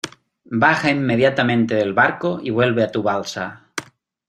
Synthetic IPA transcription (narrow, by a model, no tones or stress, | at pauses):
baxaimːeðjat̪amẽnt̪eðelβaɾkoiβ̞we̞lβeat̪uβalsa